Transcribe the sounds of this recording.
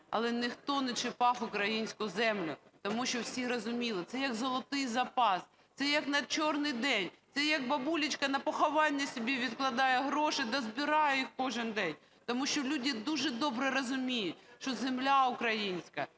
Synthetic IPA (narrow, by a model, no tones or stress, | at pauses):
ɐ̰lˠɛnɪxt̪ɔnɛt͡ʃɪpɑfʊkɾɐjinʲsʲkʊzɛmlʲʊt̪ɔmuʃt͡ʃɔwsʲiɾɔzʊmʲilˠɪt̪sɛjɐkzɔlˠɐt̪ɪjzɐpɑs | t̪sɛjɐknɐt͡ʃɔrnɪjd̪ɛnʲt̪sɛjɐk̚bɐbulʲɪt͡ʃkɐnɐpɔxɔʋɑnʲːɐsʲɔbʲiʋʲid̪klˠɐd̪ɑjɛɦɾɔʃɪd̪ɐzbʲɪɾɑjɛjixkɔʒɪnd̪ɛnʲ | t̪ɔmuʃt͡ʃɔlʲudʲɪd̪uʒɛd̪ɔbɾɛɾɔzʊmʲijʊtʲʃt͡ʃɔzemlʲaʊkɾɐjinʲsʲkɐ